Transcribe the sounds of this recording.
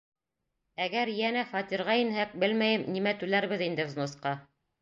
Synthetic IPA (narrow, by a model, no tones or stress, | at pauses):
æɡæɾjænæχɑt̪iɾʁɑinhæk̚bɘlmæjɘmnimæt̪ʉlæɾβɘðind̪ɘznosqɑ